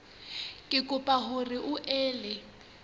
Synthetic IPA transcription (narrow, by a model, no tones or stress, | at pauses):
kʼɪkʼʊpʼaɦʊrɪʔʊʔɛːlɪ